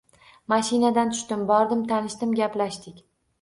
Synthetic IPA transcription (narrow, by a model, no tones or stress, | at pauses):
maʃinad̪ant̪ʰʊ̥ʃt̪ɪmbɒɾd̪ɪmt̪ʰanɪʃt̪ɪmɡʲaplaʃt̪ɪkʲ